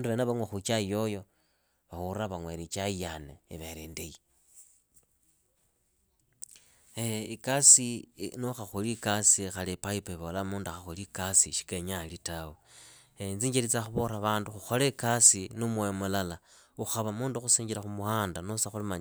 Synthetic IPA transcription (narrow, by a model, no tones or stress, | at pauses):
nduβenaβaŋwexut͡ʃajojo̞ | βawuɾaβaŋweɾit͡ʃaijanḛiβeɾendeji | eikasinuxaxulikasixalipaipeβolamuːnduaxaxulikasiʃi̥keɲalitawo | ent͡siːɲd͡ʒiɾit͡saxuβoɾaβaːnduxuxolekasinumwojomulala | uxaβamuːnduxusiːɲɟiɾaxumuhaːndanosaxulimaɲ